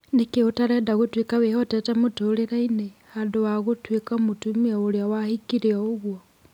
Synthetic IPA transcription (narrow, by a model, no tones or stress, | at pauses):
nekeutaɾɛːndaɣotwekaβehɔtɛtamutoleɾainehandowaɣotwekamutumiaoɾjawahikiɾiɔoɣwɔ